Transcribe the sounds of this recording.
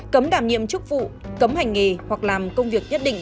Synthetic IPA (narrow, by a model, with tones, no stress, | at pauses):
kə˨˦mɗaː˧˩mɲḭ˧˨əmt͡ɕɨ˦˥k̚vṵ˧˨ | kə˨˦mha˨˩jŋ̟ŋe˨˩hwa˨˩k̚laː˨˩mkə˧wŋ͡mvi˨˩ək̚ɲə˦˥t̚ɗḭ̈˧˨ŋ̟